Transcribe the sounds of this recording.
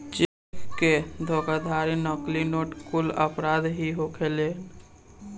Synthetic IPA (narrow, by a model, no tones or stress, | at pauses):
t͡ʃe | kked̪ʱokad̪ʱaɾinɔklinoʈkuləpɾad̪ɦiɦokʰelen